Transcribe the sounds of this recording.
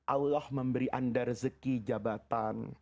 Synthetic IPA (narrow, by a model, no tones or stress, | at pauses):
ʔalɔhməmbəɾiʔandarzəkid͡ʒabat̪an